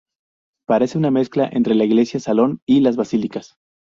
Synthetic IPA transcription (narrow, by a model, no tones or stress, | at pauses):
paɾe̞se̞unamesklaʔe̞nt̪ɾe̞laiɣle̞sjasalo̞nilazβasilikas